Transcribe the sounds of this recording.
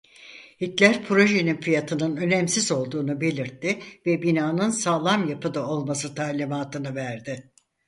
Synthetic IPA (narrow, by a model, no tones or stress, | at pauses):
hit̪lʲæɾpʰɾo̞ʒe̞ninfijat̪ʰɯnɯnø̞nɛmsizo̞lˠd̪uːnube̞lʲiɾt̪ʰːɪvɛbinaːnɯnsaːlˠamjapɯd̪ao̞lˠmasɯt̪ʰaːlʲimaːt̪ʰɯnɯvæɾd̪ɪ